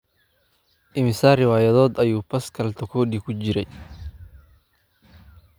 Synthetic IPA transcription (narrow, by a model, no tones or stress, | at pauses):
ʔɪmɪsaːrɪwaːjɐðɔːd̪ɐjuːpʰɐskʰɐlt̪ʰɔkʰɔːd̪ikʰʊt͡ʃɪɾɛj